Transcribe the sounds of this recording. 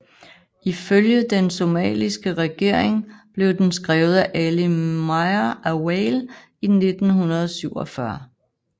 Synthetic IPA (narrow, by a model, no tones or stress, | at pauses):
iføljəd̥enso̝mɛ̰ːlisɡ̥əʁɛɡ̥e̝ɐ̰eŋb̥le̝ʊd̥ensɡ̥ʁɛːʊð̩ˠæʔælimɑɪɐæwel | ine̝d̥n̩hunɐð̞ˠsyʊ̰ɒ̽fɶɐ